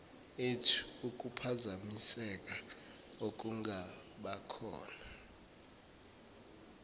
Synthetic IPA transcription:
etʰu̥uk̬ʼupʰazamisɛk̬a | ok̬ʼuŋʱaɓakʰɔ̰ːna

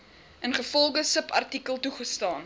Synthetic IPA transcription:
ʔənχəfɔlˠɡəsəpɐ̰rtikəlˠtuχəstɑːn

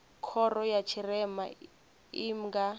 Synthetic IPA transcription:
kʰɔrɔjat͡ʃʰirɛma | im̩ɡa

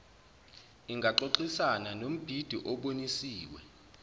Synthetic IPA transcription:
iŋɡʱaǃoǃisananom̩b̥ʱid̥ʱiʔɔɓonisiːwɛ

